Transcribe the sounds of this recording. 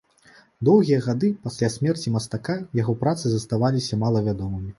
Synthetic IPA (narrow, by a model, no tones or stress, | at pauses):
d̪ɔwɣʲijɐɣad̪ɨpasʲlʲasʲmʲɛrt͡sʲimɐst̪akajaɣɔpɾat̪sɨzɐst̪avalʲisʲɐmalˠɐvʲad̪ɔmɨmʲi